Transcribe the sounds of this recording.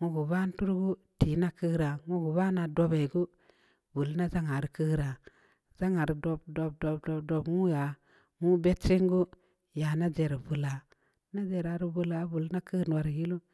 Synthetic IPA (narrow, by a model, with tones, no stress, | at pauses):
ŋo˦ɡu˨ba˦n˦tu˦ɾɡu˦ | ti˨˦na˦kɨ˦ɾa˨ŋo˦ɡu˨ba˦na˨do˦be˨ɡu˦ | bu˨lna˦za˦ŋa˨ɾi˨ki˦ɾa˨ | za˦ŋa˨ɾi˨do˦bdo˨b̚do˨bdo˨bdo˨bŋu˦ja˨ | ŋu˦be˦tt͡ʃi˦ŋɡu˦ | ja˨na˦d͡ʒe˨ɾbu˨la˨ | na˦d͡ʒe˨ɾa˨ɾi˦bu˦la˨˦bu˨lna˦kɨ˦n˨wa˨ɾji˦lu˦